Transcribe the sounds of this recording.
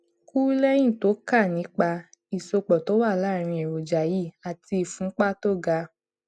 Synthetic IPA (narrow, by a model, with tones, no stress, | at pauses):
ku˦lɛ˦j̃ĩ˦˨to˨˦ka˦˨nĩ˨˦k͡pa˧ | i˨so˧k͡pɔ˨to˨˦wa˦˨la˦˨ɾ̃ĩ˧e˨ɾo˨d͡ʒa˨ji˦˨a˨ti˧i˨fũ˨˦k͡pa˦to˦˨ɡa˧